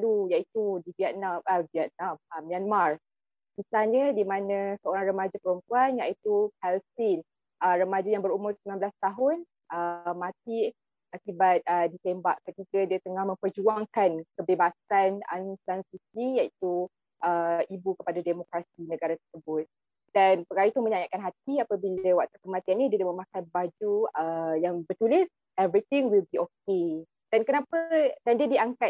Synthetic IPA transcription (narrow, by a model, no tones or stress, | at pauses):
lujait̪udiviɛt̪̚namʔəviɛt̪̚nãməmːianmar | pisalɲədimãnə̃səoɾaŋrəmad͡ʒapəɾəmpuanjaʔit̪upɛlsɪn | ʔərəmad͡ʒajaŋbəɾumʊrsəmanbəlast̪aɦʊn | ʔəmãt̪̚i | akibat̪̚ədit̪ɛmbaʔkət̪ikədiət̪əŋahmə̃mpərd͡ʒuaŋkankəbebasana̰nsansisijait̪u | ʔəibukəpadademokɾasinəɡaɾat̪ərsəbʊt̪̚ | d̥anpəkaɾait̪umə̃ɲajaʔ̪kanɦat̪̚iapabiləwaʔ̚t̪akəmat̪ianːidiədaməmãkanbad͡ʒuəjaŋbət̪ulɪs | ɛvɾit̪ɪŋwilbiok̚e | d̥ankənapədandiədiaŋkat̪̚